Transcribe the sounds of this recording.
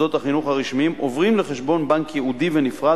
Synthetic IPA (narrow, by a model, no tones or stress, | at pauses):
o̞t̪aχinuχhaʁiʃmimʔovʁimleχeʃbo̞nbaŋkjeud̪ivenifʁa